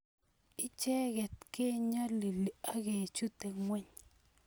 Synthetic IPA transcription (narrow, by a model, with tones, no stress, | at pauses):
i˦t͡ʃe˦ɡe˨t̪ke˦ɲa˦li˨li˨a˦ɡe˨t͡ʃu˦t̪e˨ŋwe˦ɲ